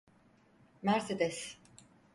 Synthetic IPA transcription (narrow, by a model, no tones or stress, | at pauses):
mæɾsed̪ɛs